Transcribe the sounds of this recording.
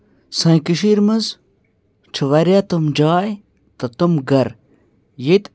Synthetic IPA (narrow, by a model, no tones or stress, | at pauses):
sɐjkiʃiɾmɐz | t͡ʃʰɨʋɐɾʲjat̪umd͡ʒaːj | t̪ɐt̪umɡɐɾ | jet̪